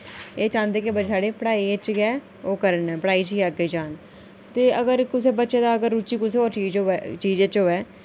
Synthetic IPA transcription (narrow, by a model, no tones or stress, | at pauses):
eːt͡ʃãːnd̪eːkɪbəd͡ʒsaːɽeːpəɽaːiːet͡ʃɡɛː | oːkəɾənɛːpəɽaːiːt͡ʃiəɡeːd͡ʒaːn | t̪eːəɡəɾkɪseːbətːʃeːd̪aːəɡəɾːut͡ʃiːkʊseːoːt͡ʃiːd͡ʒoːɛːt͡ʃiːd͡ʒeːt͡ʃɦoːɛː